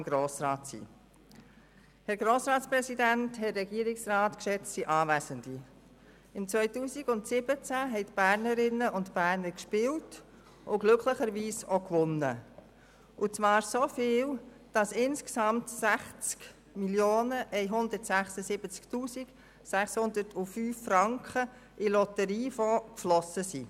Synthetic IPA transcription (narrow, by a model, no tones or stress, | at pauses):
mɡ̥ɾoːsɾɑːtsḭː | hɛɾɡɾoːsɾɑːtspɾɛsidænthɛːɛɡiːəɾɪksɾɑːtkʃɛt͡ssiʔɑːvæsəndi | ɪmt͡sʋœʏtuːsiɡʊntsɪb̥ət͡sæɦɛɪtb̥æɾnəɾɪnːəʔʊntb̥æːɾnəɾkʃpɪːwt | ʔʊɡ̥lʏkʰləχəɾʋiːsokʋʊnːə̰ | ʔʊt͡sʋɑːɾsofiːl | d̥ɑsɪnsksɑmtsæχt͡sk | miljoːnəʔɛɪɦʊnd̪ətsæχsəsɪbət͡sktuːsɪk | sæχshʊnd̪əɾtʰufyːfːɾɑŋkχə | ʔilɔtəɾiːfɔkflɔsəsi